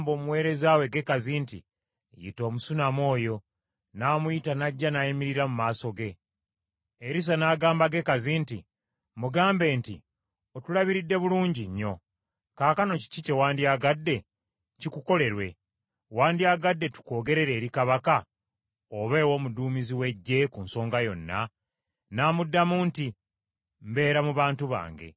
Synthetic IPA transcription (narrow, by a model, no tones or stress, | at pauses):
mbo̞ːmuwe̞ːɾe̞zaːwe̞ɡe̞kazintḭ | jḭto̞ːmusunamo̞ːjo̞ | naːmuitanaɟːanaimiɾiɾamumaːso̞ɡe̞ | eɾis̬anaːɡaːmbaɡe̞kazinti | muɡaːmbe̞ːntḭ | otulaβiɾidːe̞βuluːɲɟiɲːo̞ | kaːkano̞ci̥cice̞waːndiaɡadːe̞ | cikuko̞le̞ɾwe̞ | waːndiaɡadːe̞tu̥ko̞ːɡe̞ɾe̞ɾe̞ːɾikaβaka | oβe̞ːwo̞ːmuduːmiziwe̞ɟːe̞kunso̞ːŋɡajo̞nːa̰ | naːmudːamuːnti | m̩be̞ːɾamuβaːntuβa̰ːŋɡe̞̰